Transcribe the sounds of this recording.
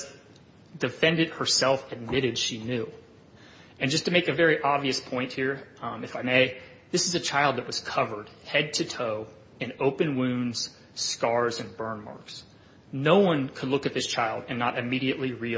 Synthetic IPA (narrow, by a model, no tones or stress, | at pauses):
d̥ɨfɛ̃ndɨd̚hə˞sɛlˠfɨd̚mɪɾɨdʃinjʉ | ɨ̃nd͡ʒʌstʰɨmeɪkɨvɛɹiʔɑbviɨspʰɔ̃ɪ̃nʔ̚hiɹɨfaɪmeɪ | ðɪsɨzɨt͡ʃʰaɪlˠd̪̚ðɨʔ̚wʌz̥kʰʌvə˞d̥hɛd̚tʰɨtʰoʊ | ɨ̃noʊpɨ̃nwʉ̃ndz̥ | skɑɹzɨ̃nbɜ̃˞nmɑ̰ɹks | noʊwʌ̃nkʰədˡlʊkɨt̪̚ðɪst͡ʃʰaɪlˠdɨ̃nːəɾʔɨmiɾiɨʔˡliɹi